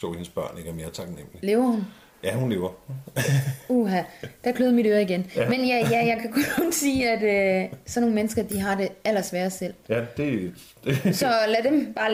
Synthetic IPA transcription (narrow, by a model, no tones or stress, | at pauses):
sɔ̰henəsb̥ɶɐ̰ne̝ɡ̥əme̝ːɐt͡sʰɑ̈ɡ̥nem̰lile̝ːʊɐhun | jæhunle̝ːʊɐ | oɦæd̥ækʰløːð̩ˠmiɾ̥øːɐiɡ̥enmenjæjæjɑ̈ɪkʰækʰɔ̽nɔnsiːæd̥øsɒ̽no̝ːŋnmenəsɡ̥ɐd̥iɦɑ̈d̥e̝æl̰ɐsʋæːɐsel̰jæd̥e̝ | d̥esɒ̽læd̥emb̥ɑ̈ː